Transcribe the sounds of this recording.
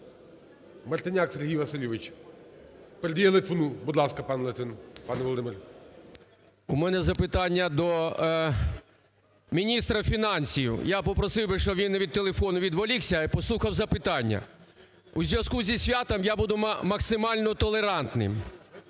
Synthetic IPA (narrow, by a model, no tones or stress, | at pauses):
mɐrt̪ɪnʲakseɾɦʲijʋɐsɪlʲiʋɪt͡ʃ | peɾed̪ʲijelˠɪt̪ʲʋɔnubud̪lˠɑskɐpɑnlˠɐt̪ɪnpɑnɛʋɔlˠɔd̪ɪmɪr | umɛnɛzɐpɪt̪ɑnʲːɐd̪ɔ | mʲinʲist̪ɾɐfʲinɑnʲsʲijʊ̰japɔpɾɔsɪwbɪʃɔʋʲinːɐʋʲid̪̚t̪ːelˠefɔnʊʋʲid̪ʋɔlʲiwsʲɐpɔslˠuxɐwzɐpɪt̪ɑnʲːɐ̰ | uzʲʋʲjɐskuzʲisʲʋʲat̪ɔmjabud̪ʊmɐksɪmɑlʲnɔt̪ɔlˠeɾɑnt̪nɪ̰m